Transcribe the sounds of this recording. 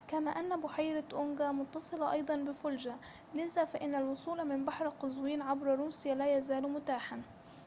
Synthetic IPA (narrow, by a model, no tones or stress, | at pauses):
kamaːʔanːabʊħajɾaʔʊŋɡamʊt̪ːɑsˤɨlɑʔɑjd̪ˤɑnbɪfʊld͡ʒa | lɪzaːfaʔɪnːalwʊsˤuːlmɪmbaħɾaqɑzwiːnʕabɾɑɾuːsɪjalaːjazaːlmʊt̪aːħan